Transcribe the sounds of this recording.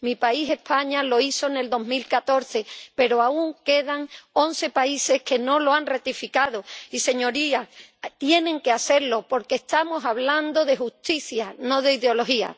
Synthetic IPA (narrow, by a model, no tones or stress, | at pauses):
mipaise̞hpaɲalo̞iso̞ne̞ld̪o̞ɦmilkat̪o̞ɾθe̞pe̞ɾoauŋke̞ð̞aŋo̞n̟θe̞paise̞hke̞nõ̞loanret̪ifikað̞oise̞ɲo̞ɾiat̪je̞nẽ̞ŋkeaθe̞ɾlo̞po̞ɾkeːhst̪amo̞saβland̪o̞ðe̞xuht̪iθjano̞ðe̞iðeo̞lo̞ɦia̰